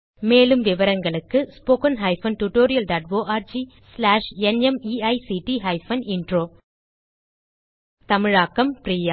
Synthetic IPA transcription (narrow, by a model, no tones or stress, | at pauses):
meːlɯmʋɪʋɐɾɐŋɡɐɭɯkːɯspoːkɐnɦɐɪfɐnʈuʈoːɾɪjɐlɖaːʈʋoːʔaːɾd͡ʒi | slaːʂɛnɛmiːɐɪsiʈiɦɐɪfɐnɪɳɖɾoː | t̪ɐmɪɻaːkːɐmpɾiːjaː